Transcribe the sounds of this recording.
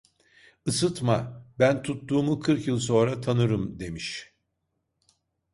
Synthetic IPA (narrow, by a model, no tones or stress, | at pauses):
ɯsɯt̪mabænt̪ʰut̪ːuːmukʰɯɾkjɯlˠso̞nɾat̪ʰanɯɾɯmd̪e̞miʃ